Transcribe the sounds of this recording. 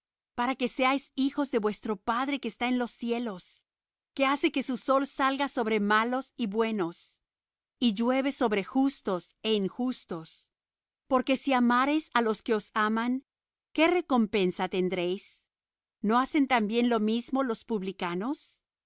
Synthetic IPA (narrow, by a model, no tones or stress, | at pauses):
paɾake̞seajsixo̞zðe̞βwe̞st̪ɾo̞paðɾe̞ke̞ːst̪aenlo̞sje̞lo̞s | ke̞ase̞ke̞suso̞lsalɣaso̞βɾe̞malo̞siβwe̞no̞s | iʝwe̞βe̞so̞βɾe̞xust̪o̞se̞iŋxust̪o̞s | po̞ɾkesiamaɾe̞salo̞ske̞o̞samaŋ | ke̞re̞ko̞mpe̞nsat̪e̞nd̪ɾe̞js | no̞ase̞nt̪ambje̞nlo̞mizmo̞lo̞spuβlikano̞s